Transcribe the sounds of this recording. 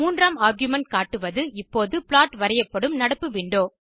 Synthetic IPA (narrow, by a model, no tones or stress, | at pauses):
uːndraːmaːɾɡjʊmɛɳʈ̚kaːʈːɯʋɐðɯɪpːoːðɯpɭaːʈʋɐɾɐjɐpːɐɽɯmnɐɽɐpːɯʋɪɳɖoː